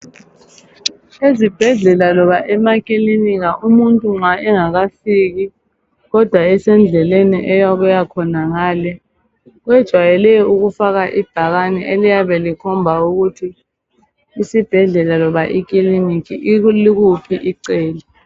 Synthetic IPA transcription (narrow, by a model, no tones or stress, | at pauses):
ezib̥ʱɛɮɛlalɔβaʔɛmakʼiliniɣaʔumuntʼuŋ͡ǁwaʔɛŋaɣafiɣi | ɣɔd̥ʱwaɛsɛnd͡ɮʱɛleniʔɛjaɣujakʰɔnaŋaːlɛ | ɣwɛd̥ʒ̥ʱwajɛlɛuɣufaɣaʔib̥ʱaɣanɛʔelijaβɛlikʰɔmbʱauɣutʰiː | sib̥ʱɛɮɛlalɔβaʔik̬ʼilinikʰiliɣupʰiʔiǀeːli